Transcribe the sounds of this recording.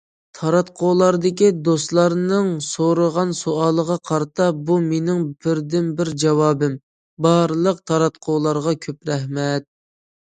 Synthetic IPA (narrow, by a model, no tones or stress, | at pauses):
t̪ʰɑɾɑt̪̚qʰolˠɑɾd̪ɪkʲid̪ost̪lˠɑɾnɨŋsoɾəʁɑnsoɑːlˠəʁɑqʰɑɾt̪ʰɑbumenɪŋbɪɾd̪ɪnbɪɾd͡ʒɑwɑːbɪm | bɑɾlˠəq̚t̪ʰɑɾɑt̪̚qʰolˠɑɾʁɑkʲʰøpɾɛhmɛt̪̚